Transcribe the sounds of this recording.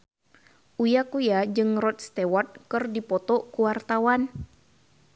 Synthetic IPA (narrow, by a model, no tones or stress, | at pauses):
ʔujakujad͡ʒɨŋrɔt̪̚st̪ɛwɔt̪̚kɨrdipɔt̪ɔkuwart̪awan